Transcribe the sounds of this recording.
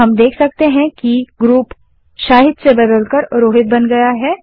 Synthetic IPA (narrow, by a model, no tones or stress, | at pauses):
ɦɐmd̪eːkʰsɐk̚t̪eɦɛ̃kiɡɾuːp | ʃaːɦɪd̪sebɐd̪əlkəɾɾoːɦɪt̪̚bɐnɡɐjaɦɛː